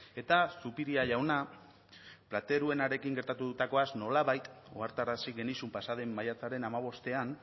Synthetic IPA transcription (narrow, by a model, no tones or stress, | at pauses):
e̞t̪asupiɾiaʎawna | plat̪e̞ɾue̞naɾe̞kiŋɡe̞ɾt̪at̪uðut̪ako̞azno̞laβajt̪ | oaɾt̪aɾasiɣe̞nisumpasaðe̞mːajat͡saɾe̞namaβ̞o̞st̪e̞an